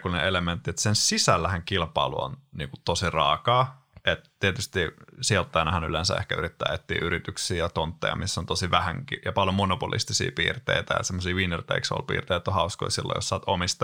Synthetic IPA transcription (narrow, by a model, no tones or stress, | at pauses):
kuneelement̪ːiet̪sensisælːæhæŋkilpɑilṵo̰nnḭːŋku̥t̪t̪osirɑ̰ːkɑː | ʔet̪t̪iet̪yst̪isiolt̪ːɑinɑhæny̰lensæḛhkæyɾit̪ːæ̰ːet̪ːḭːʔyɾit̪yksiːjɑt̪ont̪ːḛjɑ̰misːont̪osiʋæhæŋkḭjɑpɑljomonopulḭst̪isḭːpḭːrt̪ḛit̪æjɑ̰semːosiːʋinert̪ḛikso̰lpḭːrt̪eit̪ːohɑusko̰isilːo̰jo̰ssɑːt̪omist̪ɑ